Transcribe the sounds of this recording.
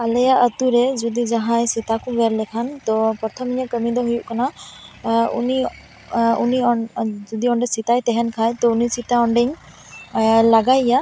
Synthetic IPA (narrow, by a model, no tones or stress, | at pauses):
alɛjaʔət̪uɾɛd͡ʒɔd̪id͡ʒaɦãjsit̪akɔbɛɾlɛkʰant̪ɔpɔt̪ʰɔmiɲakəmid̪ɔɦujuʔkana | ṵni | uniɔd͡ʒɔd̪iɔɳɖɛsit̪ajt̪ɛɦɛnkʰajt̪ɔunisit̪aɔɳɖɛɲ | laɡajːa